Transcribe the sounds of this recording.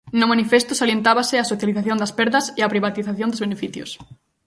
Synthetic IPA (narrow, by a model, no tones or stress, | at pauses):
nʊmanifest̪ʊsaljent̪aβɐsɪasoθjaliθaθjõnd̪ɐspɛɾðɐseapɾiβat̪iθaθjõnd̪ozβenefiθjʊ̰s